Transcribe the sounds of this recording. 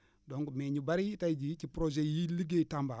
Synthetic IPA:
doŋɡmeɲubaɾitajd͡ʒit͡ʃipɾod͡ʒejiliɡetamba

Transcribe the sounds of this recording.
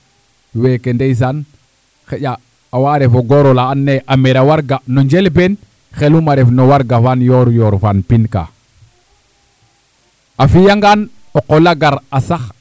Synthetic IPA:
wekendejs̬an | xeɟaː | waɾefoɡoɾolaːnːeʔameɾawaɾɡanoɲd͡ʒelben | xelumaɾefnowaɾɡafanjɔɾjɔːɾfanpinka̰ | afijaŋɡan | oqolaɡaɾasax

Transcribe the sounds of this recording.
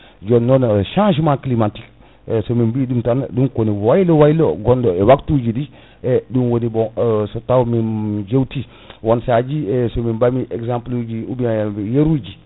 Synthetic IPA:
d͡ʒonːonʃãʃ̬maklimatik̚ | somimbidumtandunkoniwajlowajlo̰ɡondoewaktud͡ʒidi | edunwonibosotawmind͡ʒewti | wonsad͡ʒiesomibamiʔeksãmplud͡ʒiubiaajeɾud͡ʒi

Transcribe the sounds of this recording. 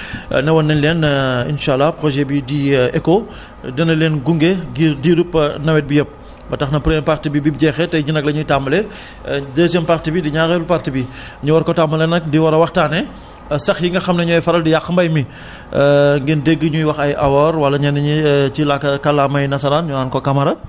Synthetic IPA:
nɐwɐnːɛnlɛnḭnʃalːɐpɾɔʒɛbidiɛko | dɛnɐlɛːnɡuŋɡeɡidiɾupnɐwɛt̚bijɔp̚ | bɐtɐxnɐpɾjɛmpaktibibip̚ɟɛːxɛtɐjd͡ʒinɐk̚lɐɲutamːɐlɛ | dɛs̬ɛmpaktibidiɲaɣɛlupartibi | ɲuwɐɾkɔtamɐlɛnɐkdiwɐɾɐwɐxtaːnɛ | sɐxjiŋɡɐxɐmnɐɲɔːjfɐɾɐldijaxːmbɐjmi | ŋɡindeɡːəɲujwɐxɐjʔɐwɔːɾwɐlːɐɲɐnɐɲit͡ʃilakːɐkɐlːaːmɐjnɐsɐlanɲunaːnkɔkɐmɐɾɐ

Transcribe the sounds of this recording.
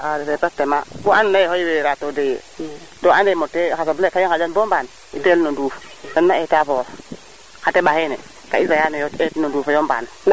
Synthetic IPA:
adefepatemakuannajehojiweɾatodejḛ | toanemotːekasoblekajokad͡ʒanbomban | itelnoduːf | danːaetafo | kateɓahenḛ | ka̰izajanejotetnodufajomba̰n | n

